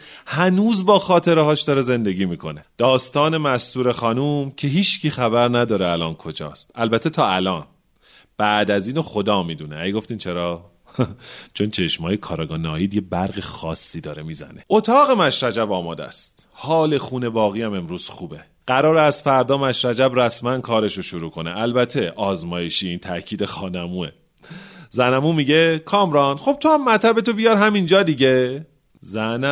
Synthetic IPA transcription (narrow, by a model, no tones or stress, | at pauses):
hænuːzbɒːxɒːt̪ʰe̞ɾeɦɒːʃd̪ɒːɾeze̞nd̪eɟiːmiːkʰo̞ne̞d̪̥ɒːst̪ɒːne̞mæst̪uːɾe̞xɒːnuːmcʰe̞ɦiːt͡ʃcʰiːxæβæɾnæd̪ɒːɾeælɒːnkʰo̞d͡ʒɒ̰ːst̪ælbæt̪ʰːet̪ʰɒːælɒːn | b̥æʔd̪æziːnoxod̪ɒːmiːd̪uːneæjɡo̞ft̪iːnt͡ʃʰe̞ɾɒː | t͡ʃʰo̞nt͡ʃʰe̞ʃmɒːjekʰɒːɾɒːɡɒːnɒːjiːd̪je̞bæɾɣexɒːsːiːd̪ɒːɾemiːzæ̰neot̪ʰɒːɣe̞mæʃɾæd͡ʒæbɒːmɒːd̪æ̰st̪ | hɒːle̞xuːne̞bɒːɣiːjæme̞mɾuːz̥xuːbe̞ | ɢ̥æɾɒːɾeæst̪fæɾd̪ɒːmæʃɾæd͡ʒæbræsmænkʰɒːɾe̞ʃoʃuɾuːkʰo̞nḛælbæt̪ʰe̞ʔɒːzmɒːjeʃiːint̪ʰæʔcʰiːd̪e̞xɒːnæmuːe | zænæmuːmiɟekʰɒːmɾɒːnχo̞b̥̚t̪ʰohæmːæt̪ʰæbe̞t̪obijɒɾɦæmind͡ʒɒːd̪iɟe | zæn